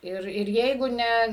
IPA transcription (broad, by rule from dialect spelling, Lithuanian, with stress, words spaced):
ˈɪr ɪr ˈjɛɪɡʊ ˈnʲɛ